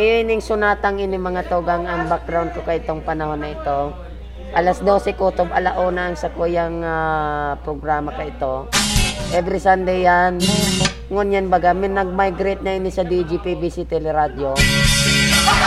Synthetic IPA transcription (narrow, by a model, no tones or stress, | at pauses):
inɪŋsʊnaːt̪ɐŋɪnɪmɐŋat̪oɡaŋɐŋbak̚ɡɾawnd̪̚kokɐʔɪt̪oŋpɐnɐhonːɐɪt̪o̞ | ʔɐlasd̪o̞ːsɛkoːt̪obɐlɐʔoːnɐʔɐŋsɐkujaŋapɾoɡɾaːmɐkɐɪt̪o̞ | ʔɛvɾɪsand̪ɛjːan | ŋʊnjanbɐɡamɛnɐɡ̚majɡɾɛt̪̚nɐʔɪnɪsɐd̪id͡ʒipibisit̪ɛlɛɾaːd̪jo